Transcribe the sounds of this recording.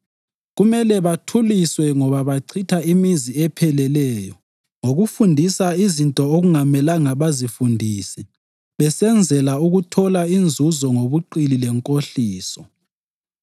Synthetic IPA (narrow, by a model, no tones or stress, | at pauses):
ɣumɛlɛβatʰuliswɛŋɔβaβaǀʰitʰaimiziɛpʰɛlɛlɛːjɔ | ŋoɣufundʱisaizintʼɔoɣuŋamɛlaŋaβazifundʱiːsɛ | βɛsɛnd͡zʱɛlauɣutʰɔlaind͡zʱuzɔŋoβuǃililɛŋkʼoɬiːsɔ